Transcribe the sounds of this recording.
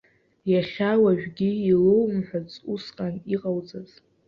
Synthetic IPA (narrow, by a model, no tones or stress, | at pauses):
jaχʲawaʒᶣɡʲiilowmħʷᶣat͡sʼusqʼaniqʼawd͡zʼaz̥